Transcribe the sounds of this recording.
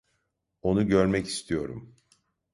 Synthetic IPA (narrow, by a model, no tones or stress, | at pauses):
o̞nuɟøɾmɛci̥st̪ʰijo̞ɾṵm